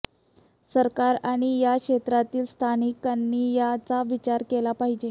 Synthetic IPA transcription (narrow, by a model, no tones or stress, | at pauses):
səɾkaɾaɽ̃ijakʂet̪ɾat̪iːlst̪ʰanikanːiːjat͡saʋit͡ɕaɾkelapaɦid͡ʑe